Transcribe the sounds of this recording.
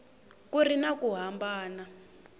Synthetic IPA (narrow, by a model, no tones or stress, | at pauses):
kurinakuɦambaːna